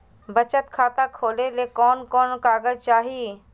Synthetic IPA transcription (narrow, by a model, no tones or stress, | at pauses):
bət͡ʃət̪kʰaːt̪akʰoːlelekɔːnkɔːnkaːɡəd͡ʒt͡ʃaːɦiː